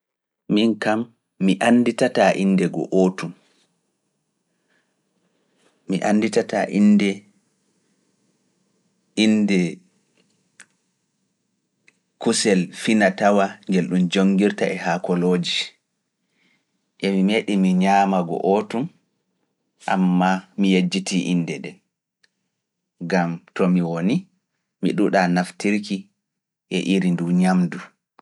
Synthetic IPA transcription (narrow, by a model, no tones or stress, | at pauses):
minkamː | iʔanːditataʔindɛɡɔ̰ʔoːtum | iʔanːditataʔindɛ | indɛ | kusɛlfinatawaŋɡelɗumd͡ʒoŋɡiɾtaʔɛhakɔloːd͡ʒi | ʔɛmimeɗimiɲamaɡɔ̰ʔɔtum | ʔa̰mːamijed͡ʒːitʰiʔinːdɛɗɛn | ɡamtɔmiwoni | miɗuɗanaftiɾki | ʔɛ̰ʔiɾinduɲamdu